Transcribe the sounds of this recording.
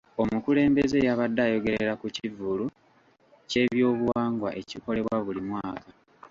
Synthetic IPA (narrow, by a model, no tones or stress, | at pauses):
o̞mukule̞ːmbeze̞jaβadːajo̞ɡe̞ɾeɾakucivulu | ce̞ːβjo̞ːβuwaːŋɡwa̰ʔe̞ciko̞le̞βwaβulimwaːka